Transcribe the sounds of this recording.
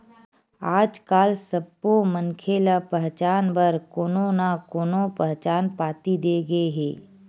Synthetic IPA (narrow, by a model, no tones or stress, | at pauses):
aːd͡ʒkaːlsəbːomənkʰelapɛɦt͡ʃaːnbəɾkoːnonakoːnõpɛɦt͡ʃaːnpaːt̪id̪eɡəeɦeː